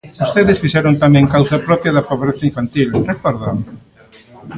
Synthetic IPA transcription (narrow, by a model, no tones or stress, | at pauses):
ost̪eðɪsfiʃɛɾõnt̪amɛ̃ŋkawsɐpɾɔpjɐðɐfaβoɾeθaiɱfant̪ilrekɔɾða